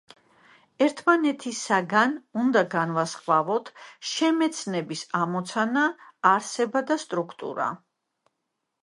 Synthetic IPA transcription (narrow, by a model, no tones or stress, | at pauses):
ɛɾt̪ʰmanɛt̪ʰisaɡanund̪aɡanvasχvavɔt̪ʰʃɛmɛt̪sʰnɛbisamɔt̪sʰanaːɾsɛbad̪ast̪ʼɾukʰt̪ʼṵɾa̰